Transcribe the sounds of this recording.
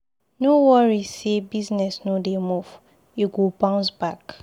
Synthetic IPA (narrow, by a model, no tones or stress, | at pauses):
nowɔɹisebiznɛsnodemuv | iɡobãʊ̃nsbak